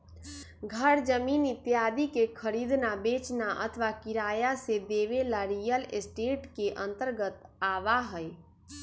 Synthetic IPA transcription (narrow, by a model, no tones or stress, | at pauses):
ɡʱəɾd͡ʒəminit̪jad̪ikekʰəɾid̪nabet͡ʃnaʔə̰t̪ʰʋakiɾajased̪eʋelaɾijəlesʈeʈkeʔə̃nt̪əɾɡət̪aʋaɦəj